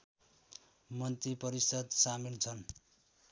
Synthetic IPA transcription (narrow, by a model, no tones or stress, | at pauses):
mʌnt̪ipʌɾisʌd̪samint͡sʰʌn